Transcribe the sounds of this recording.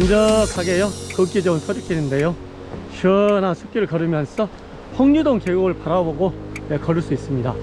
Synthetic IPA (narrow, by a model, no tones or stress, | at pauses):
ʌnd͡ʑʌkʰaɡe̞jokɯk͈id͡ʑʌunsʰod͡ʑik͈inɯnde̞jo | ɕʰʌnasʰup̚k͈iɾɯɭkʌɾɯmjʌnsʰʌ | pʰʌŋɲudoŋkeɡoɡɯɭpaɾaboɡoekʌɾɯɭs͈uis͈ɯmɲida̰